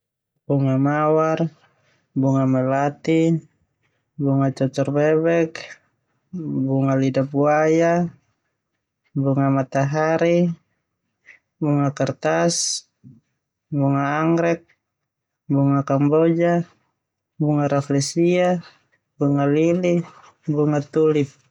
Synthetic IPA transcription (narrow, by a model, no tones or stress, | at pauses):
b̥uŋamawar | buŋamɛlat̪i | buŋat͡ʃɔt̪ɔrbɛβɛk | buŋalidabuaja | buŋamat̪aɦaɾi | buŋakart̪as | buŋaːŋɾɛk̚ | buŋakambɔd͡ʒa | buŋaɾaflɛsia | buŋalili | buŋat̪ulip̚